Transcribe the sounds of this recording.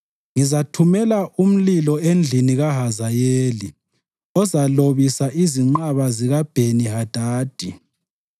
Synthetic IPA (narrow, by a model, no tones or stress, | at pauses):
ŋizatʰumɛlaʔum̩lilɔend͡ɮʱiniɣaɦazajeːli | ɔzaloβisaʔiziŋ͡ǃaβaziɣab̥ʱeniɦad̥ʱaːd̥ʱi